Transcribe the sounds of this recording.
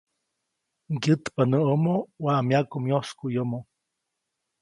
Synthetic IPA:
ŋɡɨt̪panəʔomowaʔmjakumjoskujomo

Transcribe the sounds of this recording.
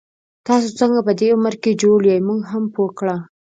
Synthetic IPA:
t̪ɑsot͡səŋɡapəd̪eʊməɾked͡ʒoɽjajmuɡɦampokɽa

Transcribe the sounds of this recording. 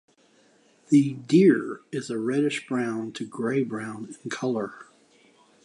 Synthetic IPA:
ðɨdɪɹɪzɨɹɛɾɨʃb̥ɹãʊ̃ntʰɨɡɹeɪbɹãʊ̃nɨ̃nkʰʌlˠə˞

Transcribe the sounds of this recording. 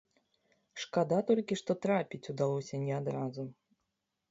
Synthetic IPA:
ʂkad̪at̪ɔlʲkʲiʂt̪ɔt̪ɾapʲit͡sʲud̪alˠɔsʲɐnʲɛad̪ɾazu

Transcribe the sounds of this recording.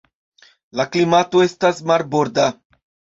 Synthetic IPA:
laklimat̪oe̞stasmaɾboɾd̪a

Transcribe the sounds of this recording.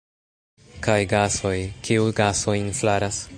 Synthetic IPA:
kajɡaso̞jkʰiuɡaso̞inflaɾas

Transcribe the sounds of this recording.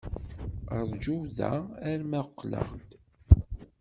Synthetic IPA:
əɾˤd͡ʒuwðæ̰æɾmæqːlə̰ʁd̪

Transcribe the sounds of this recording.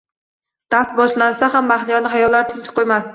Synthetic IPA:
d̪̥ast̪̚bɒʃlansaɦamːahlɪjɒnɪɦajɒlːaɾt̪ʰɪnt͡ʃʰɪ̥qʰːojmast̪ɪ

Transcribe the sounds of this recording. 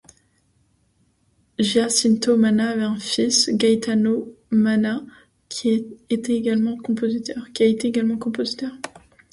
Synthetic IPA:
ʒjasint̪omanaːvɛɛ̃fisɡajt̪anomana | kʲʰiet̪eːɡalmɑ̃kɔ̃pozit̪œʁkʲiaet̪eeɡalmɑ̃kɔ̃pozit̪œʁ

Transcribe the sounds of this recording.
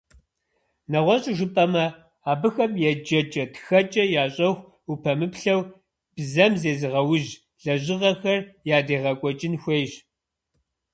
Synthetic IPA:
nɐʁʷɔɕʼɪʒʷʊpʼɐmɐ | aːbɨxɐmjɛd͡ʒɐt͡ʃʼɐtxɐt͡ʃʼɐjaːɕʼɐxʷ | upʰɐmɨpɬɐw | b̥zɐmzeːzɨʁɐwʊʑ | ɮɐʑɪʁɐxɐrjaːdeːʁɐkʷʼɔt͡ʃʼɪnxʷeːʒ

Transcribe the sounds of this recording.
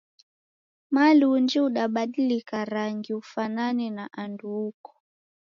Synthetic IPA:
malund͡ʒiuɗaɓaɗilikaɾaŋɡiufananinaʔanduːkɔ̥

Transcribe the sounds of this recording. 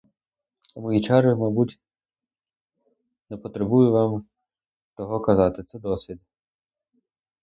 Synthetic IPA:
ɐmɔjit͡ʃɑɾɪmɑbutʲ | nɛpɔt̪ɾebujʊʋɑm | t̪ɔɦɔkɐzɑt̪ɪt̪sɛd̪ɔsʲʋʲid̪

